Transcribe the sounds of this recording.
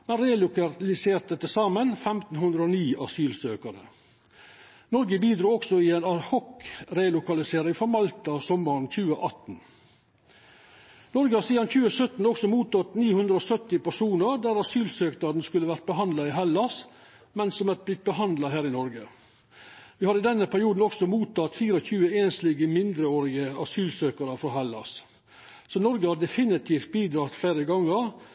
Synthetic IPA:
mɛnɾeːlʊkɑlɪseːɾt̪̚d̪ət̪ːəsɑːmənfɛmt̪n̩hʉnd̪ɾəoːniːɑsyːlsøːkəɾə̰ | nɔɾɡəbiːd̪ɾuːɔksɔɪeːnɑhɔkɾeːlʊkɑlɪseːɾɪŋfɔɾmɑlt̪ɑsɔmːəɾnçʉːəʔɑt̪n̩ | nɔɾɡəhɑsiːd̪ɑnçʉːəsœt̪n̩ɔksɔmuːt̪ʰɔt̪niːhʉnd̪ɾəoːsœt̪ɪpæʂuːnəɾd̪æːɾɑsyːlsøːknɑɾn̩skʉlːəʋæɾt̪̚bəɦɑnd̪lɑɪɦɛlɑs | mɛnsɔmæt̪̚blɪt̪̚bəɦɑnd̪lɑɦæːɾɪnɔɾɡə | ʋɪːhɑɾɪd̪ɛnːəpʰæɾɪuːd̪n̩ɔksɔmuːt̪ɑt̪fiːɾɔçʉːəeːnsliːɡəmɪnd̪ɾəoːɾɪɡəɑ̰syːlsøːkəɾəfɾɔɦælɑ̰s | sɔnɔɾɡəhɑd̪ɛfɪnɪt̪ʰiːft̪̚biːd̪ɾɑːt̪flæːɾəɡɑŋːəɾ

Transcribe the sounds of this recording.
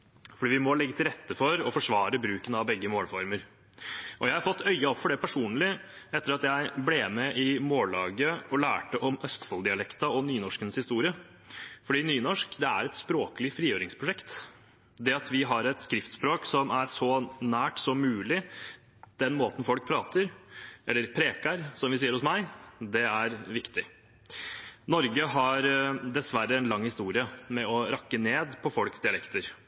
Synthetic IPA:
fɔɖiːʋɪmɔlɛɡːət̪ʰɪlɾɛt̪ːəfɔɾɔfɔʂʋɑːɾəbɾʉːkənɑʋbɛɡːəmoːlfɔɾməɾ | ʔɔjæɪhɑɾfɔt̪ːœʏːɑɔpːfɔɖɛpʰæʂuːnlɪ | ɛt̪ːəɾɑt̪jæɪbleːmɛʔɪmoːlɑːɡəɔlæ̰ːʈəʔɔmœst̪fɔld̪ɪɑlɛkt̪ɑɔnyːnɔʂkənəshɪst̪uːɾɪə | fɔɖiːnyːnɔʂkd̪ɛæ̰ɾɛt̪spɾoːkəlɪfɾiːøːɾɪŋspʰɾʊʂɛkt̪ | d̪ɛɑt̪ʰʋɪɦɑɾɛt̪skɾɪft̪spɾoːksɔmæɾsɔnæːʈsɔmmʉːlɪ | d̪̥ɛnmoːt̪n̩fɔlk̚pʰɾɑːt̪ʰəɾʔɛlːəɾpʰɾeːkəɾsɔmʋɪsiːəɾhʊsmæɪd̪ɛæɾʋɪkt̪ɪ | nɔɾɡəɦɑɾd̪ɛsʋæɾːəɛnlɑŋːhɪst̪uːɾɪəmɛɔɾɑkːəneːd̪pʰɔfɔlksd̪ɪɑlɛkt̪əɾ

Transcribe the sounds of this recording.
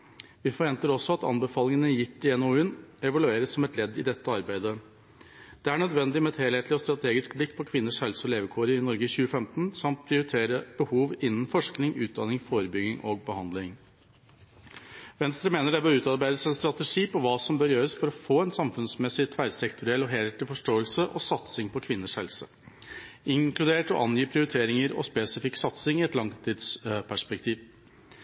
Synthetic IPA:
ʋɪfɔɾʋɛnt̪əɾɔsːɔɑt̪ɑ̰nbəfɑːlɪŋənəjɪt̪ːɪɛnoːʉnɛʋɑlʉeːɾəsːɔmɛt̪lɛd̪ːɪ̰d̪ɛt̪ːəɑɾbæɪd̪ə | d̪̥ɛæɳœd̪ʋɛnd̪ɪmɛɛt̪heːleːt̪lɪɔst̪ɾɑt̪ʰeːɡɪskblɪkːpʰɔkʰʋɪnːəʂhɛlsɔleːʋəkʰuːɾəɪnɔɾɡəçʉːəfɛmt̪nsɑmt̪̚pʰɾɪʊɾɪt̪ʰeːɾəb̥əhuːʋɪnːn̩fɔʂknɪŋʉːt̪̚d̪ɑnɪŋfoːɾəbʏɡɪŋʔɔɡ̚bəhɑnd̪lɪŋ | ʋɛnst̪ɾəmeːnəɖɛbøːɾʉːt̪ɑɾbæɪd̪əsænst̪ɾɑt̪əʂiːpɔʋɑːsɔmbøːɾjøːɾəsfɔɾɔfoːɛnsɑmfʉnsmɛsɪt̪ʰʋæɖsɛkt̪ʰʊɾɪɛlɔɦɛlt̪ʰɪlfɔʂʈoːəlsəʔɔsɑt̪sɪŋpʰɔkʰʋɪnːəʂhɛlsə̰ | ʔɪŋkʰlʉd̪eːʈɔ̰ʔɑnjiːpʰɾɪʊɾɪt̪ʰeːɾɪŋəɾɔ̰speːsɪfɪkːsɑt̪sɪŋɪɛt̪lɑŋt̪ʰiːd̪spʰæʂpɛkt̪ʰiːʋ

